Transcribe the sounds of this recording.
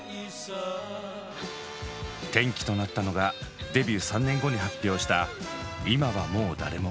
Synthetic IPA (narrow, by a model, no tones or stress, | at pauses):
t̪ẽ̞ŋkʲi̥t̪o̞nat̪ːano̞ɡad̪e̞bʲɨːsãnːẽ̞ŋɡo̞ɲ̟ihapʲːjo̞ːɕi̥t̪a | imaβamo̞ːd̪a̰ɾe̞mo